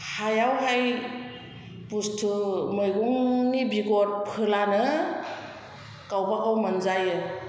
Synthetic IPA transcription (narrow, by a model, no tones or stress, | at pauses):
hajawɦaj | bustʰɯmɯjɡuŋnibiɡɔt̚pʰɯlanɯ | kawbakawmanzajɯ